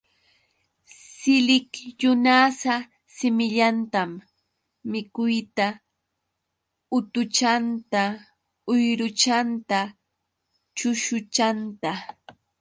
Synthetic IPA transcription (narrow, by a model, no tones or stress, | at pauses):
sɪlɪkjʊnasa | sɪmɪʎant̪amː | ɪkʊjt̪a | ʊt̪ʊt͡ʃant̪a | ʊjɾʊt͡ʃant̪a | t͡ʃʊʃʊt͡ʃant̪a